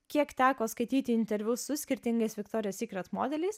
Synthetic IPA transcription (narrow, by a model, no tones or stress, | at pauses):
kʲiɛkt̪ʲæːkoːskɐɪt̪ʲiːt̪ʲɪɪnʲt̪ʲɛɾʲʋʲʊsʊsʲkʲɪɾʲt̪ʲɪŋɡɐsʋʲɪkt̪ɔːɾʲɪjoːsʲiːkɾɐt̪moːd̪ʲɛlʲɛɪs